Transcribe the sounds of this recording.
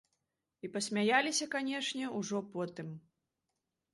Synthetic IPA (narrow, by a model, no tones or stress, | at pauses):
ipɐsʲmʲajalʲisʲɐkanʲɛʂnʲɛuʐɔpɔt̪ɨm